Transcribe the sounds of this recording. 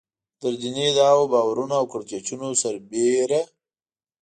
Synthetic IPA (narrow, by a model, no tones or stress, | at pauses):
d̪əɾd͡ʒined̪awobɑwaɾunaːwkəɽt͡ʃet͡ʃunosaɾbeɾa